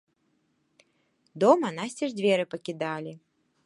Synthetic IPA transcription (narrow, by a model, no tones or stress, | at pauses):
d̪ɔmɐnasʲt͡sʲɛʐd͡zʲvʲɛɾɨpɐkʲid̪alʲi